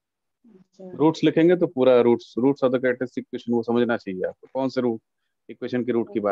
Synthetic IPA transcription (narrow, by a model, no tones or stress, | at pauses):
ɾuːʈslɪkʰẽːŋɡet̪̬opuːɾaɾuːʈsɾuːʈsɔd̪ʱok̬ɾeʈesɪk̚ʋeːʃənosɐməd͡ʒʱnat͡ʃaːɦiea̰ːp̚okɔːnseɾuːʈ̚ | ɪkʋeːʃənkiɾuːʈkibaː